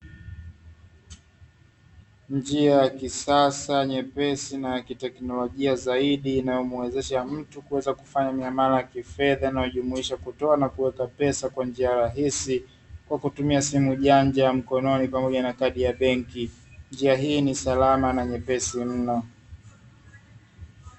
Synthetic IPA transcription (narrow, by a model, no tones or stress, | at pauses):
nd͡ʒiajakisasaɲɛpɛsinajakitɛknɔlɔʄiazaiɗiːnajɔmuwɛzɛʃam̩tukuwɛzaku̥faɲamiamaɾajakifɛðanajɔʄumuiʃakutɔanakuwɛkapɛsakwand͡ʒiaɾaɦisi | kwakutumiasimuʄaɲd͡ʒam̩kɔnɔnipamɔʄanakaɗijaɓɛŋkind͡ʒiaɦiːnisalamanaɲɛpɛsim̩nɔ